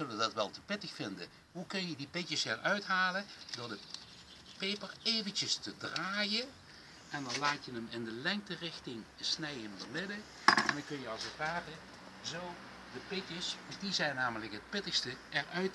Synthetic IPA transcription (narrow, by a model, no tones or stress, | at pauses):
zɵlədɑtʋɛlˠtəpɪtəxfɪndə̰ | ɦukɵnjədipɪtəsɪɹœɥtɦaːlədʊːɹdə | pejpərejvəntəstədraːjən | ʔɛndɑnlaːtjənəmɪndəlɛŋk̚tərɪxtɪŋsnɛjəmdəɹmɪdə | ɛndɑnkɵnjəɑlˠsətʋaːrə | zow | dəpɪtəsdizɛjnːaːmələkɦət̚pɪtəxstəɛrœɥt